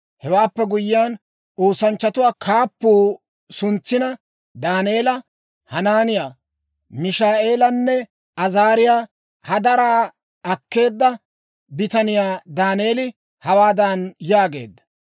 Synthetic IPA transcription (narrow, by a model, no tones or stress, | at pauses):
hɛwaːpːɛɡʊjːɪjaːn | oːsɐnt͡ʃːɐt̪ʊwaːkʰaːpːuː | sʊnt͡sːɪnɐ | d̪aːne̞ːlɐ | hɐnaːnɪjaː | mɪʃaːʔe̞ːlɐnːɛ | ɐzaːɾɪjaː | hɐd̪ɐɾaː | ɐkːe̞ːd̪ːɐ | bɪt̪ɐnɪjaːd̪aːneːlɪ | hɐwaːd̪ɐnjaːɡe̞̰ːd̪ːɐ̥